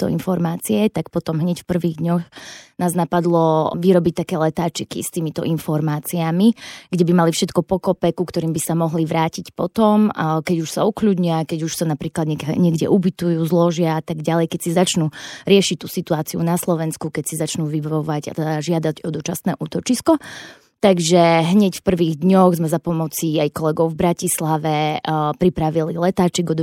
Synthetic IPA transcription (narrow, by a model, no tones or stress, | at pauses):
t̪ɔ̰ḭnfɔɾmaːt͡siɛt̪akpɔt̪ɔmɦɲɛcfpr̩ʋiːɣd̪ɲɔxnaːznapad̪lɔʋiɾɔbic̚t̪akɛːlɛt̪aːt͡ʃikḭst̪iːmit̪ɔ̰ʔinfɔɾmaːt͡siamiɡɟɛbimalifʃɛt̪kɔpɔkɔpɛkukt̪ɔɾiːmbisamɔɦliʋɾaːcicpɔt̪ɔmkɛɟuʃsa̰ukʎuːd̪ɲiakɛɟuʃsanapɾiːklad̪ɲɛɲɪɛɡdɛ̰ʔubit̪ujuzlɔʒɪaat̪aɡɟalɛjkɛcsizat͡ʃnuɾɪɛʃic̚t̪uːsit̪uaːt͡siṵnaslɔʋɛnskukɛcsizat͡ʃnuːʋibaɔʋaɟa̰t̪ɛd̪aʒɪad̪aɟɔd̪ɔt͡ʃasnɛ̰ːʔuːt̪ɔt͡ʃiskɔ | t̪aɡʒɛɦɲɛcfpr̩ʋiːɣd̪ɲɔɣzmɛzapɔmɔt͡siajkɔlɛɡɔʊvbɾacislaʋɛpɾipɾaʋililɛt̪aːt͡ʃiɡɔd̪ɔ